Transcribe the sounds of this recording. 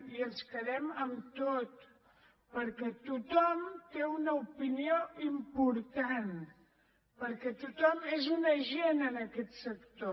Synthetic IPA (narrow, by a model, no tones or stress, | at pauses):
iənskəðɛməmt̪ot̪ | pəɾkɛt̪ut̪ɔmt̪eunəupinioʔimpuɾt̪an | pəɾkɛt̪ut̪ɔmezunəʒenənəkɛt̪səkt̪o